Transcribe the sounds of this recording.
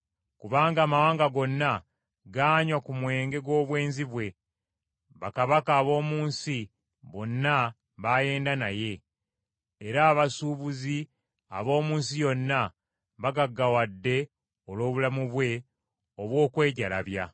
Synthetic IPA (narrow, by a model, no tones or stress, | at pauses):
kuβaːŋɡaːmawaːŋɡaɡo̞nːa | ɡaːɲwakumwe̞ːŋɡe̞ɡwo̞ːβwe̞ːnziβwe̞ | βakaβakaːβo̞ːmuːnsi | βo̞nːa | βaje̞ːndanaje̞ː | ɾaːβasuːβuzi | a̰βo̞ːmuːnsijo̞nːa | βaɡaɡːawadːe̞ | olo̞ːβulamuβwe̞ | oβwo̞ːkwe̞ːɟalaβja̰